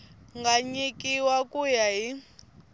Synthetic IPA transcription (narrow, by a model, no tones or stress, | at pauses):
ŋɡaɲikʼiwakujaɦi